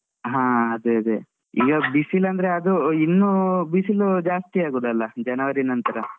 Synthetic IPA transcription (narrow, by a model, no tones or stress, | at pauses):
ɦãːɐd̪eɐd̪e | ḭːɡɐbisilɐnd̪ɐɾeɐd̪uinːubisilud͡ʒaːst̪iaːɡuːd̪ɐlːɐd͡ʒɐnɐʋɐɾinɐnt̪ɐɾɐ